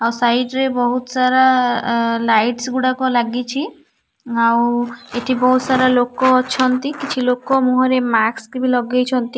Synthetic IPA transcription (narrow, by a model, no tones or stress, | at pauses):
awsajɖɾebɔɦut̪ɔsaɾa | lajʈsɡuɽakɔlaɡit͡ʃʰi | aweʈʰibɔɦut̪ɔsaɾalokɔːt͡ʃʰɔnt̪ikit͡ʃʰilokɔmũɦɔɾemakskibilɔɡejt͡ʃʰɔnt̪i